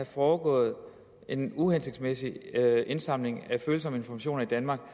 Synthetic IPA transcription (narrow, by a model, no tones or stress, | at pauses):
æfɒːɡ̥ɔ̰̽ːð̞̩ˠ | ʔe̝nuhense̝ɡ̥d̥smesie̝nsɑ̈m̰le̝ŋæføːl̩sɒ̽məe̝nfɒmæɕo̝̰ːnɐid̥ænmɑ̈ːɡ̥̚